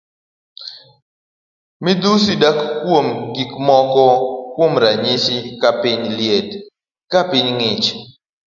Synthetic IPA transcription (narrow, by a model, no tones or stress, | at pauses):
mid̪usidakkːwomɡikmɔkɔkwomɾaɲiʃikapɪɲljed | kapɪɲŋɪt͡ʃ